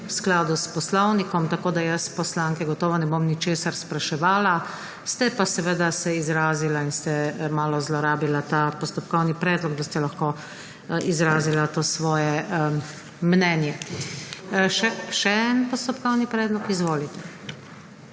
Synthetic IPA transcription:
wsklaːd̪uspɔslɔwnikɔmt̪akoːd̪ajɐspɔslaːŋkɛɡɔt̪ɔːʋɔnɛbomnit͡ʃeːsaɾspɾaʃɛʋaːla | st̪ɛpasɛʋəd̪asɛizɾaːzilainst̪ɛmaːlɔzlɔɾaːbilat̪aːpɔst̪ɔpkɔwnipɾɛːd̪lɔɡd̪ast̪ɛlaxkoː | izɾaːzilat̪oːsʋɔːjɛ | mnɛːnjɛ | ʃɛʃɛɛnpɔst̪ɔpkɔwnipɾɛːd̪lɔkizʋoːlit̪ɛ

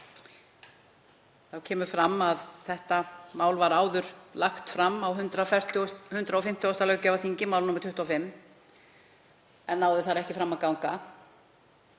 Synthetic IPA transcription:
θawcʰɛːmʏɾfɾamːaðθɛht̪amaːwlvaɾaːwðʏɾ̥laxt̪fɾamːawɦʏnt̪ɾaɛr̥t̪hʏnt̪ɾaɔfɪm̥t̪oɔst̪alɛɣcavaθiɲcɪmaːwlnumɾt̪ʰʏht̪uafɪmː | ɛnːaːwðɪθaɾɛhcɪfɾamːaðkawŋka

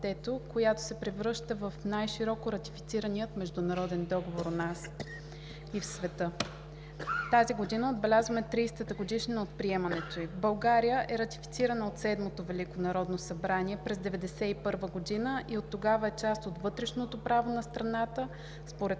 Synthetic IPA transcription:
d̪ɛt̪okojat̪o̥sɛpɾivɾɤʃt̪əvəfnajʃiɾɔkoɾɐt̪i̥fi̥t̪siɾəniət̪mɛʒd̪ʊnɐɾɔd̪ɛnd̪ɔɡovoɾonas | ifsvɛt̪ɤ | t̪aziɡod̪inəod̪̚bɛlʲazvəmɛt̪ɾijst̪ət̪əɡod̪iʃninot̪̚pɾiɛmɐnɛt̪oibɐlˠɡaɾijəʔɛɾɐt̪ifi̥t̪siɾənəot̪sɛd̪mot̪ovɛlikonɐɾɔd̪nosɐbɾaniɛpɾɛzd̪ɛvɛd̪ɛsɛipɤɾvəɡod̪inəʔiot̪ːoɡavəɛt͡ʃast̪ot̪vɤt̪ɾɛʃnot̪opɾavonɐst̪ɾɐnat̪ə | spoɾɛt̪

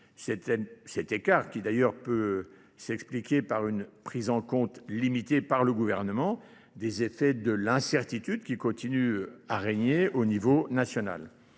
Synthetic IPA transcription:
sɛt̪ɛsɛt̪ekaʁkʲid̪ajœʁpø | sɛksplikʲepaʁynpχizɑ̃kɔ̃t̪limit̪epaʁləɡuvɛʁnəmɑ̃ | d̪ezefɛd̪əlɛ̃sɛʁt̪it̪yd̪kʲikɔ̃t̪inyaʁeɲeonivonasjɔna̰l

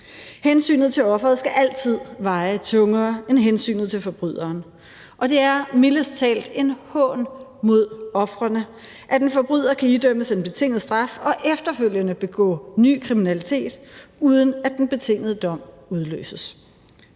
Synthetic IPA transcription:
hensy̰ːnð̩ˠt͡sʰe̝lɒ̽fʁɐð̞̩ˠsɡ̥æʔæl̰t͡sʰið̞̰ˠʋɑ̈ɪt͡sʰɔ̽ŋɐːenɦensy̰ːnð̩ˠt͡sʰe̝lfɒ̽b̥ʁy̰ð̞̰ˠɐːn | ʔɒ̽d̥e̝æɐmiləst͡sʰɛ̰ːld̥e̝nhɔnmo̝ð̞̰ˠɒ̽fʁɐnə | ʔæd̥enfɒ̽b̥ʁyð̞̰ˠɐkʰæid̥øm̰əse̝nb̥e̝t͡sʰe̝ŋ̰ð̩ˠsd̥ʁɑ̈fɒ̽ʔefd̥ɐføl̰jənəb̥e̝ɡ̥ɔ̰̽ːny̰ːkʰʁiminælit͡sʰe̝̰ːd̥uːð̞ˠənæd̥enb̥e̝t͡sʰe̝ŋ̰ð̩ˠəd̥ɒ̽m̰ | uð̞ˠlø̰ːsəs

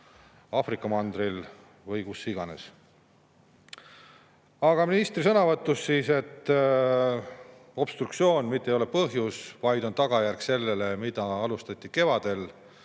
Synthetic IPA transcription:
ɑːfrikːˑɑmɑnd̪̥ɾil | vɤjkusːiɡ̥ɑne̞̰s | ɑɡ̥ɑminist̪ɾisɤnɑvɤt̪ˑːusːiːse̞t̪ːˑ | o̞b̥st̪ruk̪sio̞ːnmit̪ˑːejolepɤɦjusvɑjd̪̥o̞nt̪ɑɡ̥ɑjærkse̞lːe̞le̞mid̪̥ɑɑlust̪ɑt̪ʲːˑike̞vɑd̪̥e̞l

